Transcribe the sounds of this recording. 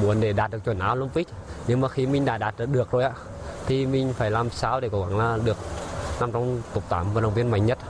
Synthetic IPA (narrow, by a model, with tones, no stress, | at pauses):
mu˧˦ənɗe˧˩ɗaː˨˩t̚ɗɨ˨ək̚t͡ɕwə˨˩˦nʔaː˧wlə˧mvi˦˥k̚ | ɲɨ˧ŋmaː˨˩xi˧mï˧ŋ̟ɗa̰ː˧˦ɗaː˨˩t̚ːɗɨ˨˩ək̚zo˨˩jʔaː˨˦ | t̪ʰi˨˩mï˧˩ŋ̟faː˧˩jlaː˨˩msaː˧˦wɗe˧˩ko˧˩ɣa̰˧˩ŋlaː˨˩ɗɨ˨˩ək̚na˧mt͡ɕɔ˧wŋ͡mt̪ʊ˨˩k͡p̚t̪a̰ː˧˩˦mvaː˨˩n˨˧˩wŋ͡mvi˧ənma̰˧˨jŋ̟ɲə˦˥t̚